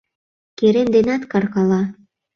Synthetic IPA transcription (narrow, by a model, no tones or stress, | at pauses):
keɾend̪enɑt̪kɑrkɑlɑ